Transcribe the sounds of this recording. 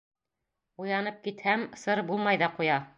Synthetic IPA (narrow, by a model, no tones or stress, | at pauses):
ujɑnɤp̚kit̪hæmsɤɾbulˠmɑjðɑqujɑ